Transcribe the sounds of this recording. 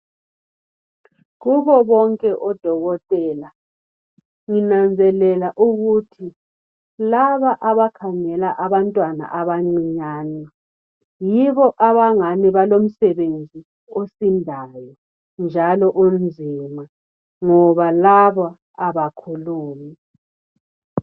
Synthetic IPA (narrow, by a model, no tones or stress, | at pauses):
ɣuβɔβɔŋkʼɛʔɔd̥ʱɔɣɔtʼɛːla | ŋinand͡zʱɛlɛlaʔuɣutʰi | laβaʔaβakʰaŋɛlaʔaβantʼwana̰ʔaβaŋ͡ǀiɲaːnɛ | jiβɔʔaβaŋaniβalom̩sɛβend͡zʱi | osindʱajɔ | nd͡ʒʱalɔʔumzʱima | ŋɔβalaβa | aβakʰuluːmi